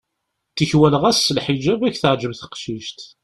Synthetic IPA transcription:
θiçwælʁæsːəlħid͡ʒæbæçθəʕd͡ʒəmθə̥qʃiʃt̪

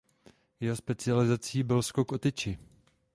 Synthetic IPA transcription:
jɛɦospɛt͡sɪalɪzat͡siːbɪlskokʔot̪ɪt͡ʃɪ

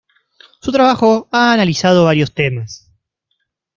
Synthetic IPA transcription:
sut̪ɾaβaxoaːnalisað̞o̞βaɾjo̞st̪emas

